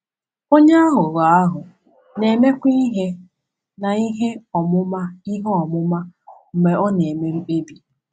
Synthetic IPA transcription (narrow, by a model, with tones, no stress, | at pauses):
o˦ɲe˦a˦ɦʊ˨ɾa˨a˦ɦʊ˨ | ne˨me˦kʷi˦i˦ɦe˦ | na˨i˦ɦe˦ɔ˨mʊ˦ma˦i˦ɦe˦ɔ˨mʊ˦ma˦m̩˨me˨ɔ˦ne˨me˦ɾi˦e˦bi˨